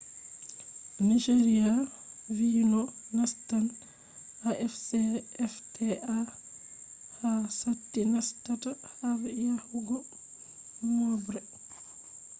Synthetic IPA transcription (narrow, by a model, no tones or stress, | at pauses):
nid͡ʒeɾia | viːnɔnastan | haʔɛfsɛɛftʰɛa | hasatːinastatahavɛjahuɡɔ | mɔbɾɛ